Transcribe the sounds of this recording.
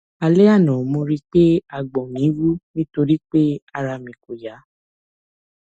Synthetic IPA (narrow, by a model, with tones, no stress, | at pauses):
a˧le˦a˦˨nɔ̃˨mõ˧ɾi˦k͡pe˦a˨ɡ͡bɔ̃˨nĩ˨˦wu˦nĩ˦to˧ɾi˦k͡pe˦a˧ɾa˧mĩ˨ko˨ja˨˦